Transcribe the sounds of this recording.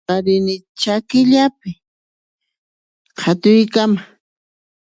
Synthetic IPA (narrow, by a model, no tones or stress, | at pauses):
aɾɪnɪ | t͡ʃakɪʎapɪ | qʰat̪ʊjkama